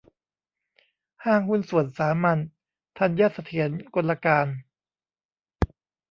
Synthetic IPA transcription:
haː˥˩ŋhu˥˨nsu˨˩ənsaː˩˦ma˧˥n | t̪ʰa˧˩njaː˥˩t̪̚sa˧t̪ʰi˩˦ənko˧lːa˧kaː˧n

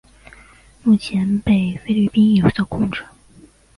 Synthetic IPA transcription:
mu˥˩t͡ɕʰjɛ˧˥npe˥˩ɪfe˥ɪly˥˩pi˥njo˨˩ʊt͡s̪ɔ˥˧˩kʰʊ˥˩ŋʈ͡ʂɤ˨˩˦

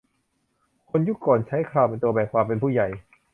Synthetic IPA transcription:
kʰo˧nju˦˥˩kːɔː˨˩nt͡ɕʰa˦˥jkʰɾaː˧˩wpe˧nt̪u˧ɐbɛː˨˩kʰwaː˧mpe˧npʰuː˧˥˩ja˨˩j

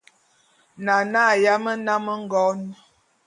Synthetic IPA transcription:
na˨na˦˨ja˦mə˦na˦mə˦ŋ̩˦ɡɔ˦n˦

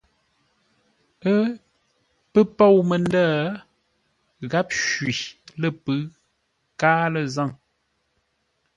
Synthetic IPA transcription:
ə˦ | pə˦po˦˨wmə˨ndaː˦˨ | ɣa˦p̚ʃɥi˨lə˦˨pɨ˨˦ | kaː˦lə˨za˦˨ŋ

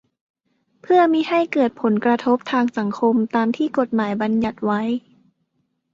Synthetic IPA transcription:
pʰɯ˥˩ɐmiː˧˥ha˥˩jkɤː˨˩t̪̚pʰo˩˦nkɾa˧t̪ʰo˦˥p̚t̪ʰaː˧ŋsa˩˦ŋkʰo˧mt̪aː˧mt̪ʰiː˥˩ko˨˩t̪̚maː˩˦jba˧nja˨˩t̪̚wa˦˥j

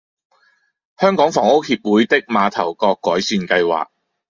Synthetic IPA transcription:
hœː˥ŋkɔː˨˥ŋfɔː˨˩ŋo˥whiː˧p̚wuː˨˥jt̪ɪ˥k̚maː˨˧t̪ʰɐ˨˩wkɔː˧kːɔː˨˥jsyː˧nkɐ˧jwa̰ː˨k̚

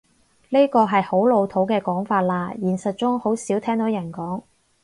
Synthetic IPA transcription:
liː˥kɔː˧ɦɐ˨jho˨˥wlo˨˧wt̪ʰo˨˥wkɛː˧kɔː˨˥ŋfaː˧t̚laː˧jiː˨˩nsɐ˨t̚t͡sʊ˥ŋho˨˥wsiː˨˥wt̪ʰɛː˥ŋt̪o˨˥wjɐ˨˩nkɔː˨˥ŋ

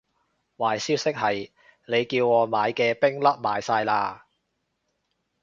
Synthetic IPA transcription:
waː˨˩jsiː˥wsɪ˥k̚hɐ˨j | ne˨˧jkiː˧wŋɔː˨˧maː˨˧jkɛː˧pɪ˥ŋlɐ˥p̚maː˨˧jsaː˧jlaː˧

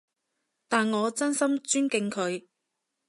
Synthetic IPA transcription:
t̪aː˨nŋɔː˨˧t͡sɐ˥nsɐ˥mt͡ʃyː˥nkɪ˨˧ŋkʰɵ˨˧ɥ

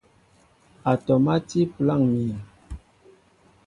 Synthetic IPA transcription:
a˨tɔ˨ma˦ti˦pla˦˨ŋmi˨

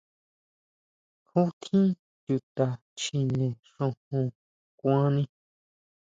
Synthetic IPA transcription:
hũ˦t̪ʰĩ˦ | ju˧˨t̪a˨ | t͡ʃi˧nẽ˨ | ʂõ˧hũ˧ | kʷã˦nĩ˧

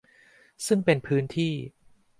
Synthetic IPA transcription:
sɯ˥˩ŋpe˧npʰɯː˦˥nt̪ʰiː˥˩

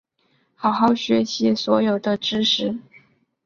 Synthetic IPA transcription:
xɑ˨˩ʊxɑ˥˩ʊɕɥɛ˧˥ɕi˧˥swɔ˧˥jo˨˩ʊd̪ə˦ʈ͡ʂɻ̩˥ʂɻ̩˧˥˦

